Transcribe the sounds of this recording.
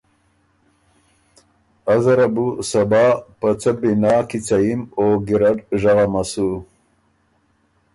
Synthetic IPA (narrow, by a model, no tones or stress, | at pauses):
azɐɾabusabɑːpət͡səbinaːkit͡sajimoɡiɾaɖʒaɣamasu